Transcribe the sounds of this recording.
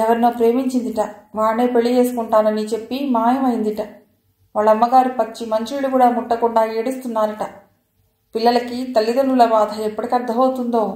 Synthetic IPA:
ɛʋɐɾinoːpɾe̞ːmiɲt͡ʃind̪iʈɐʋaːɳeːpeɭːije̞ːsu̥kuɳʈaːnɐnit͡ʃe̞pːimaːjɐmɐjind̪iʈɐ | ʋaːɭːɐmːɐɡaːɾipɐt͡ʃːimɐɲt͡ʃiːɽukuːɽaːmuʈːɐkuɳɖaːeːɽust̪unːaːɾɐʈɐ | pilːɐlɐkit̪ɐlːid̪ɐnːulɐbaːd̪ʱɐepːɐɽikʲɐɾd̪ʱɐɦoːt̪und̪oː

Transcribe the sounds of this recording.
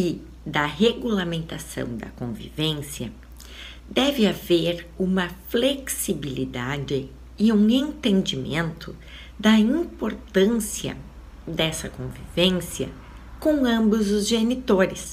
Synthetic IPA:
ɪ | d̪ɐɦeɡulamẽnt̪asɐ̰̃w̃d̪ɐ̰kõvḭvẽsiɐ | d̪ɛvɪaveɾũmɐfleksibilid̪ad͡ʒɪ | ɪũẽnt̪ẽnd͡ʒimẽnt̪ʰʊ | d̪ɐĩpoɾt̪ɐ̃siɐ̰ | d̪ɛsɐkõvḭvẽsiɐ̰ | kõw̃ɐ̃mbʊzʊzʒenit̪oɾɪs

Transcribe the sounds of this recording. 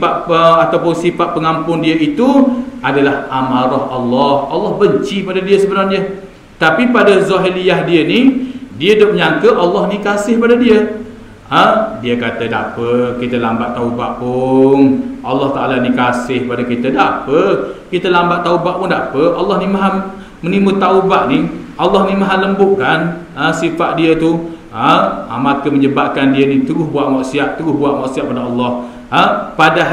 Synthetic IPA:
paʔəat̪awpʊnsipaʔpəŋampʊndiəʔit̪uadalahamaɾɔhʔɑlːɔhɑlːɑhbəɲt͡ʃipadadiəsəbənarɲə | t̪apipadazoɦilijahdiənidiədʊp̚ɲaŋkəʔalːɑhnikasɪhpadadiə | ədiəkat̪əda̰pəkit̪əlambaʔt̪aubaʔpʊnʔɑlːɑht̪aʔalanikasɪhpadakit̪ədapəkit̪əlambaʔt̪ːaubaʔpʊndapəʔʔɑlːɑhnimaɦa | mənimut̪aubaʔniʔɑlːɑhnimaɦaləmbʊʔkan | əsifaʔ̪̚diət̪u | əamakəməɲəbaʔ̚kandiənit̪uɾʊhbuaʔŋɔʔsiaʔt̪əɾʊhbuaʔŋɔʔsiaʔ̚padaɑlːɑh | əpada

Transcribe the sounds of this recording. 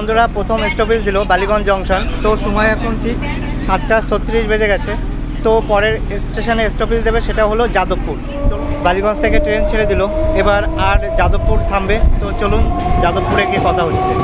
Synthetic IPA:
ond̪oɾapɾot̪ʰomesʈopis̬d̪ilobaliɡɔnd͡ʑɔŋʃɔnt̪oʃɔmɔeɛkʰonʈi | ʃat̪ʈasot̪ːiɾiʃbed͡ʑeɡɛt͡ɕʰe | t̪opɔɾeɾ | sʈeʃoneesʈopisd̪ebeʃeʈaɦolod͡ʑad̪opːuɾ | baliɡɔnst̪ʰekeʈɾent͡ɕʰeɾed̪iloebaɾaɾd͡ʑad̪opːuɾt̪ʰambet̪ot͡ɕolund͡ʑad̪opːuɾekekɔt̪ʰaɦot͡ɕʰe

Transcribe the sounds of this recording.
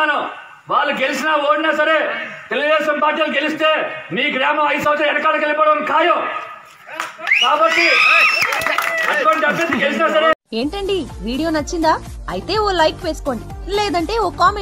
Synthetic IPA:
aːnu | ʋaːɭːɐɡelisinaːoːɽinaːsɐɾeːt̪eluɣd̪eːʃɐmpaːɾʈ̬iːɐluɡelist̪eːmiːɡɾaːmɐmɐjsɐwt͡ʃeɐnɐkaːɾɐkɐlipɔːɽɐnkʰaːjo | kaːbɐt̪ːi | ɐkonit͡ʃepːiniɡelisinaːs̬ɐɾee̞ːɳʈɐɳɖiʋiːɽijo̞ːnɐt͡ʃːind̪aː | ɐ̰jt̪e̞ːoːlɐjʈʋe̞ːsu̥ko̞ːɳɖi | leːd̪ɐɳʈe̞ːoːkaːme

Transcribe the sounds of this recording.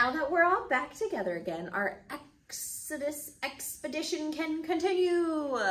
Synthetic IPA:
aʊðət̚wɪɹɔlˠbæk̚tʰɨɡɛðə˞ɨɡɛ̃na̰ə˞ʔɛk | sɨɾɨsɛkspɨdɪʃɨ̃nkʰɨ̃nkʰɨ̃ntɪ̃njʉ

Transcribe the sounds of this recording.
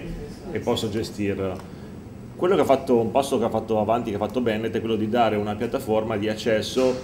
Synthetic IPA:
epːɔsːod͡ʒest̪iːr | kwelːokeafːat̪ːoumpasːokeafːat̪ːoavant̪ikeafat̪ːobɛnet̪ɛkwelːod̪id̪aːɾeunapjat̪ːaformad̪iat͡ʃːɛsːo

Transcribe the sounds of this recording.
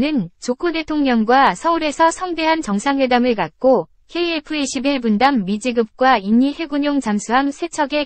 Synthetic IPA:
nɯnt͡ɕokʰude̞tʰoŋɲʌŋɡwasʰʌuɾe̞sʰʌsʰʌŋde̞ɦant͡ɕʌŋsʰaŋwe̞damɯɭkat̚k͈o | heiepʰɯeɕʰibe̞bundamːid͡ʑiɡɯp̚k͈waiɲːihe̞ɡuɲoŋt͡ɕamsʰuɦamsʰe̞t͡ɕʰʌɡe̞

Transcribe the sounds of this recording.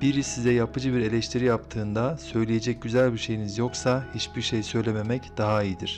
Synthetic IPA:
b̥iɾisːizɛjapɯd͡ʒɯbiɾe̞lʲɛʃt̪ʰiɾijapt̪ʰɯːnd̪asø̞jlʲije̞d͡ʒɛc̚ɟyzælʲbiɾʃe̞jinizjo̞ksahit͡ʃbiɾʃejsø̞jlʲeme̞mɛcd̪aɦaijid̪iɾ̝̥

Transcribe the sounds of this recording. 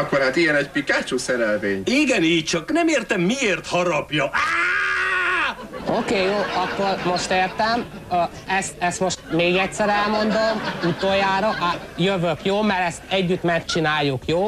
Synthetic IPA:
ɒkːoɾhaːt̪ijɛnɛcpikaːt͡ʃoːsɛɾɛlveːɲiɡɛniːc̚t͡ʃɒknɛmeːrt̪ɛmːieːrt̪hɒɾɒpjɒa | okeːjoːɒkːoːrmo̞ʃt̪eːrt̪ɛm | ɛst̪ɛst̪mo̞ʃt̪meːɡɛcsɛɾɛlmo̞nd̪omut̪ojaːɾɒʔajøvøkjoːmɛɾɛst̪ɛɟːyt̪mɛt͡ʃinaːjːukjoː

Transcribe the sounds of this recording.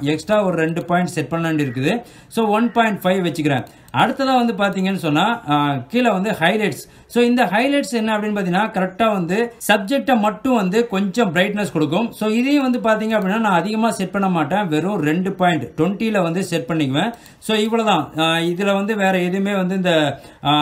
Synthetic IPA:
ɛksʈɾaːɔɾɯɾɛɳɖɯpaːɪɳʈsɛʈ̚pɐɳːɐɳɖɪɾɯk̬ːɯðɯ | soːʋɐnpaːjɪɳʈfɐɪʋʋɛt͡ʃːɯkːɪɾḛ̃ː | ɐɽɯt̪ːɐðãːʋɐnd̪ɯpaːɾt̪iːŋɡɐnːɯsɔnːaːkiːlɐʋɐnd̪ɯhɐɪlɐɪʈs | soːɪnd̪ɐhɐɪlɐɪʈsɛnːɐɐpːɐɽɪnːpaːt̪̬ɪnːaːkɐɾɛk̚ʈaːʋɐnd̪ɯsɐb̚d͡ʒɛk̚ʈːɐmɐʈːʊ̃ʋɐnd̪ɯkɔɲd͡ʒɔ̃bɪɾɐɪʈnɐskɔɽɯk̬ːɯmsoːɪðɛjʊ̃ʋɐnd̪ɯpaːɾt̪̬iːŋɡɐpːɐɽɪnːaːnãːɐðɪɣɐmaːsɛʈ̚pɐɳːɐmaːʈːẽːʋɛɾʊ̃ɾɛɳɖɯpaːjɪɳʈʈʋɔɳʈːilɐʋɐnd̪ɯsɛʈ̚pɐɳːɪkːɐʋẽː | soːɪʋːɯɭoːðãːɪðɪlɐʋɐnd̪ɯʋeːɾɛɛðɯmeːʋɐnd̪ɯɪnd̪ɐ

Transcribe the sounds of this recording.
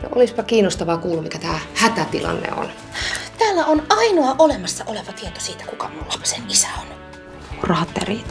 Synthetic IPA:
no̰ʔo̰lispɑkiːnost̪ɑʋɑkuːlːumikæt̪æːhæt̪æt̪ilɑ̰nːḛo̰n | t̪æːlːæonɑinoɑʔolemɑsːɑʔoleʋɑt̪iet̪o̥siːt̪æ̥kukɑmulːɑpɑ̥senisæon | rɑt̪ːḛriːt̪

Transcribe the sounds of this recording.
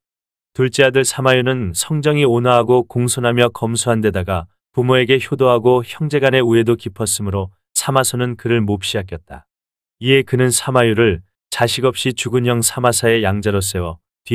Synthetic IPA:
tuɭt͡ɕ͈iadɯɭsʰamajunɯnsʰʌŋd͡ʑʌŋionaɦaɡokoŋsʰonɦamjʌkʌmsʰuɦande̞daɡa | pumoe̞ɡe̞çjodoɦaɡoçjʌŋd͡ʑe̞ɡane̞ue̞dokipʰʌs͈ɯmɯɾo | sʰamasʰonɯnkɯɾɯɭmop̚ɕ͈iɦak͈ʌt̚t͈a | ie̞kɯnɯnsʰamajuɾɯɭ | t͡ɕaɕʰiɡʌp̚ɕ͈it͡ɕuɡuɲʌŋsʰamasʰae̞jaŋd͡ʑaɾos͈ewʌ | ti

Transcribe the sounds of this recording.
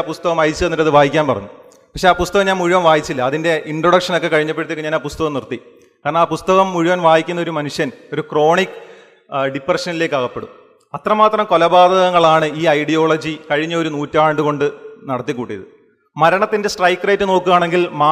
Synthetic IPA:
aːpust̪ɐɣɐmɐjit͡ɕːɨnːilːɐðɨʋaːjikʲːaːnpɐrɐ̰ɲːu | pɐkʂeaːpust̪ɐɣɐmɲaːnmuɻiʋɐmʋaːjit͡ɕːilːɐːðinde̞ʔiɳɖroɽɐkʂɐno̞kːe̞kɐɻiɲːɐp̬ːeɽt̪ːikːeɲaːnaːpust̪ɐɣɐmnirt̪ːi | kaːɾrɐɳɐaːpust̪ɐɣɐmːuɻiʋɐnʋaːjikʲːunːɐo̞ɾumɐnuʂjɐno̞ɾukro̞ːɳikːɨ | ɖiprɐʂɐnile̞ːkːaːɣɐpːe̞ɽṵm | ɐt̪rɐmaːt̪rɐmko̞lɐbaːd̪ʱɐɣɐŋːɐɭaːɳɨiːɐjɽijo̞ːɭɐd͡ʑikɐɻiɲːɐo̞ɾunuːtːaːɳɖɨɣo̞ɳɖɨnɐɽɐt̪ːikːuːʈːijɐ̰ðɨ | mɐɾɐɳɐt̪ːinde̞sʈrɐjkːrɐjtːɨno̞ːkːɨʋaːɳe̞ŋɡilmaː

